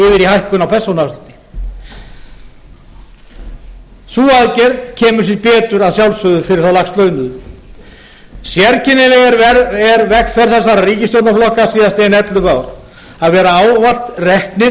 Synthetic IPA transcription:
ɪvɪɾihajhkʏnawpʰɛr̥sownalt̪ɪ̥ | suːaðcɛɾðcʰɛːmʏɾ̥siɾpɛːt̪ʏɾaðsjawlsʏðʏfɪɾɪɾ̥θawlaxst̪lœːɥnʏð | sjɛɾcʰɪnːɪlɛɣɛɾɛɛɾvɛxkfɛɾ̥θɛsːaɾariːcɪst̪owt̪naflɔhkasiːðast̪eːɪnɛt̪lʏpaːwɾ̥ | aðvɛːɾaaːwval̥t̪rɛhknɪɾ

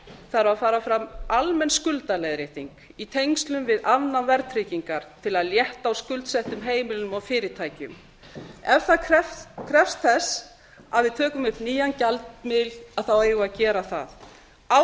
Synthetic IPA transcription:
θaɾafaːɾafɾamalmɛnskʏlt̪alejðɾɪht̪iŋk | it̪ʰejŋst̪lʏmvɪðavnanvɛɾt̪ʰɾɪciŋkaɾ̥t̪ʰɪlaðljɛht̪aːwskʏlt̪sɛht̪ʏmɦeːjmɪlɪnʏmawfɪːɾɪt̪ʰaːjcʏ̰m | ɛvθaðkʰɾɛkʰɾɛfst̪θɛs | aðvɪðt̪ʰœːkʏmʏhpniːjancalt̪mɪlaðθaweːjɣʏaðcɛːɾaθa̰ð | a

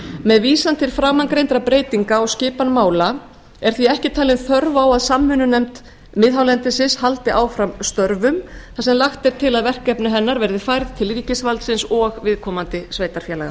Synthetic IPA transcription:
mɛðviːsant̪ʰɪlfɾaːwmanŋkɾejnt̪ɾapɾeːjt̪iŋkaɔɣscɪːpanmaːwla | ɛɾ̥θviɛhcɪt̪ʰaːlɪnθœɾvawaðsamːʏnʏnɛmt̪ | mɪðɦawlɛnt̪ɪsɪshalt̪ɪʔaːwfɾamst̪œɾvʏmθasɛmlaxt̪ɛɾ̥t̪ʰɪlaðvɛr̥kɛpnʏɦɛnːaɾvɛɾðɪfajɾðt̪ʰɪlɾiːcɪsvalt̪sɪnsɔɣvɪðkʰɔːmant̪ɪsveːjt̪aɾ̥fjɛːlaɣa

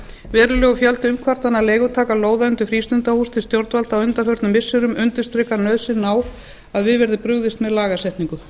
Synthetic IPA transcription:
vɛːɾʏlɛːɣʏfjalt̪ʏʏmkʰvaɾ̥t̪anːaleːjɣʏt̪ʰaːkaloːwðaʏnt̪ʏfɾiːst̪ʏnt̪ahust̪ʰɪlst̪jowɾt̪valt̪awʏnt̪afœɾt̪nʏmːɪsːʏɾʏmʏnt̪ɪ̥st̪ɾɛːkaɾnœðsɪnːaw | aðvɪðvɛɾðɪpɾʏɣðɪst̪mɛðlaːɣasɛht̪niŋkʏ

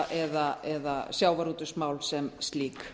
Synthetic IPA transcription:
ʔɛðaɛðasjaːwvaɾuːt̪ʏsmaːwlsɛmst̪liːk

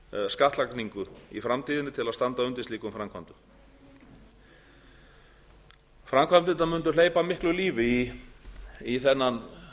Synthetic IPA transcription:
skaht̪lakniŋkʏḭfɾamt̪ʰiːðɪnːɪt̪ʰɪlaðst̪ant̪aʏnt̪ɪnst̪iːkʏmfɾamkʰvant̪ʏ̥ | fɾamkʰvamnt̪ɪnt̪amʏnt̪̬ʏl̥eːjpamɪhklʏliːvɪi | iθɛnːan

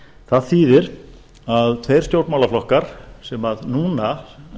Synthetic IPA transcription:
θaðθiːðɪɾ | aðt̪ʰfejɾ̥st̪jowɾt̪mawlaflɔhkaɾ̥sɛmaðnuːna

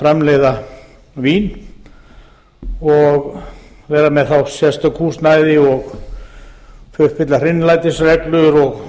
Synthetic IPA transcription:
fɾɛmlɛjða | viːn | ɔɣ | vɛːɾamɛðθawsjɛst̪ʏkʰuːst̪naːjðɪɔɣ | fʏhpɪt̪lar̥ɪnːlajt̪ɪsrɛklʏɾɔɣ

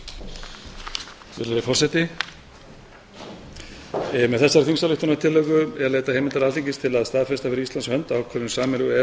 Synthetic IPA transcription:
vɪɾðaɾɪfɔrsɛt̪ɪ | mɛðθɛsːaɾθinsalʏht̪ʏnat̪ʰɪlːœkʏɛɾlejt̪ahejmɪnt̪aɾalʰiɲcɪst̪ʰɪlaðst̪aːðfɛst̪afɪɾist̪anskhœnt̪aːwkʰvɛɾʏnsaːmɛlʏɣʏɛ

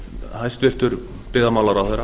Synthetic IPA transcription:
hajst̪vɪr̥t̪ʏɾ | pɪðamawlaɾawθɛjɾa

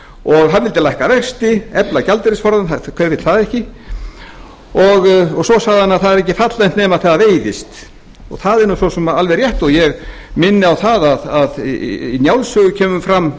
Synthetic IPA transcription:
ɔɣɦanːvɪlt̪ɪlajhkavɛxst̪ɪɛplacalt̪ɪɾɪsfɔɾðanakʰɛvɪt̪θaðɛhcɪ | ɔɣɔɣsɔsaːɣðanːaθaðɛɾɛhcːɪfat̪lɛnt̪nɛːmaθaðaveːjðɪst̪ | ɔ̰ɣθaðɛɾnʏsɔsɛmaalvɛɾrjɛht̪ɔɣjɛɣ | mɪnːɪawθaðaðaðinjawlsœɣʏcʰɛːmʏmfɾamː

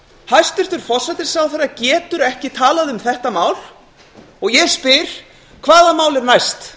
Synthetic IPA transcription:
hajst̪ɪɾ̥t̪ʏɾ̥fɔr̥sɛt̪ɪ̥sawθaɾːacɛːt̪ʏɾɛhcɪt̪ʰaːlaðʏmθɛht̪amaːwl | ɔɣjɛspɪɾ̥ | kʰvaːðamaːwlɪɾnajst̪

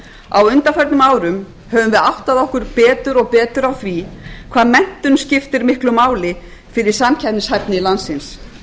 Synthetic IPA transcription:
a̰wʏnt̪afɛɾt̪nʏmaːwɾʏm | hɛvʏmvɪðawht̪aðɔhkʏɾpɛːt̪ʏɾɔɣpɛːt̪ʏɾawθɾikʰv̥aːðmɛn̥t̪ʏnscɪft̪ɪɾmɪhklʏmaːwlɪ | fɪɾɪɾ̥saːmcʰap̪nɪshajɾp̪nɪlansɪns

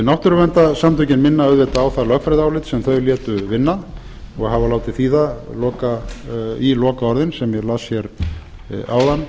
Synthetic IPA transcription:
nawht̪ʏɾʏvɛnt̪asamt̪ʰœcɪnmɪnːaœðvɛt̪aːwθalœxkfɾajðaːwlɪt̪sɛmθœɥljɛːt̪ʏvɪnːa | ɔɣɦavalaːwt̪ɪθiːðalɔːka | ilɔːkaɔɾðɪnsɛmjɛlasçjɛɾ | a̰wðanː

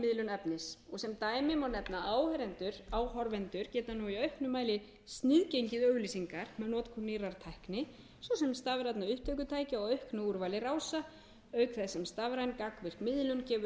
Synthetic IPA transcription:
mɪðlʏnɛpnɪsɔsɛmt̪aːjmɪmawnɛpnaaːwhɛɾɛnt̪ʏɾaːwhɔɾvɛnt̪ʏɾcɛːt̪anuiœɥhknʏmːaːjlɪ | st̪nɪðcejɲcɪðœɣliːsiŋkaɾ̥mɛðnɔːt̪kʰuniraɾt̪ʰajhknɪ | sɔsɛmst̪aːvɾat̪naʏht̪œɥkʏt̪ʰaːjcɪɔɣœɥhknʏuɾvajlɪraːwsa | œɥkθɛsɛmst̪aːvɾajnkakvɪr̥kmɪðlʏncɛːvʏ

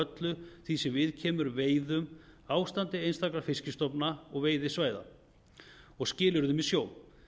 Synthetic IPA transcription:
œt̪lʏθisɛmvɪðcʰɛːmʏɾveːjðʏmaːwst̪ant̪ɪejnst̪ʰakɾafɪscɪst̪ɔpnaɔɣveːjðɪsvaːjða̰ | ɔɣscɪːlʏɾðʏmisjoːw̪

